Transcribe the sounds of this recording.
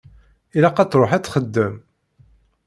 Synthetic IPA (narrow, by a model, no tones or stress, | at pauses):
ilæqæt͡sɾˤoħæt͡sːχəd̪ːəm